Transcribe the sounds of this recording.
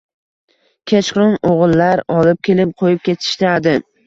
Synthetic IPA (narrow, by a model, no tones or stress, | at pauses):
kʲʰet͡ʃχʊnoʁɨlˠːaɾɒlɪp̚kʲʰe̞lɪp̚qʰojɪp̚kʲet̪ʰɪ̥ʃt̪ɪad̪ɪ